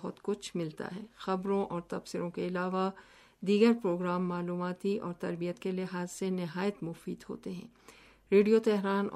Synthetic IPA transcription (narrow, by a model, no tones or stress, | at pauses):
ɦɔt̪kʊt͡ʃʰmɪlt̪a̰ɦɛːxɐbɾõʔɔːɾt̪ɐfsɪɾõkeɪlaːʋa | d̪iːɡəɾpɾoːɡɾaːmːaːluːmaːt̪iʔɔːɾt̪ɐɾbijət̪kelɪɦaːzsenɪɦaːjət̪mʊfiːd̪ɦo̰ːt̪eɦɛ̰̃ː | ɾeːɖijot̪ɛɦɾaːn